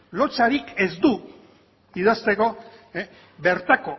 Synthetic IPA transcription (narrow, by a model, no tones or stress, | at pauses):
lo̞t͡saɾike̞zd̪u | iðast̪e̞ko̞ | βe̞ɾt̪ako̞